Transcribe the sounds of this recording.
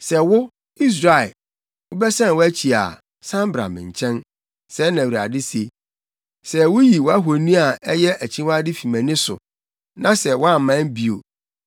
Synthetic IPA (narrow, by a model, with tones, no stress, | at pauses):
sɛ˨wʊ˦ | i˦s̬ɾa˨ɪ˨ | ʊ˦bɛ˦sɛ̃˦˨wʊ˦æ˦t͡ɕʰi˨a̰˨ | sã˦m˦bɾa̰˨mɪ̰̃˨ɲ̩˨t͡ɕʰɛ̃˦n | sɛ˦nã˨wɾa̰˨dɪ˦se˦ | sɛ˦wʊ˦ji˨wɔ˦a˦ɦo˨nĩ˦a˨ɛ˦jɛ˦ʔæ˨t͡ɕʰĩ˦wa˦dɪ˦fi˨mæ̃˨nɪ̃˦sʊ̰˨ | nã˦sɛ˨wɔ˦a˦˨m̩˨mːã˦n˦bi˨o̰˨